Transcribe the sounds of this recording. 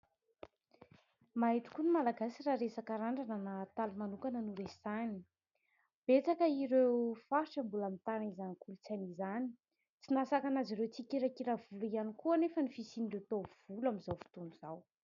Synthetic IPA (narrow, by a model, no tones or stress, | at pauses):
maɦit̪u̥kunimalaɡasiraɾesakaɾaɳɖ͡ʐanənaːt̪alumanukanənuɾez̥ani̥ | b̥et͡sakəiɾewfaɾʈ͡ʂəmbulamint̪anizanikulut͡sanizani̥ | t͡sinasakanaziɾewt͡sikʲiɾakiɾavuluianikuanefənifisinɳɖ͡ʐut̪ov̥ulamizawfi̥t̪unuz̥aw